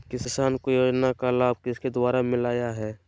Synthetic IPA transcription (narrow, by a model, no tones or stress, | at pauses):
kɪsɪsaːnkojoːd͡ʒnakalaːb̚kɪsked̪waːɾamɪlaːjaɦɛː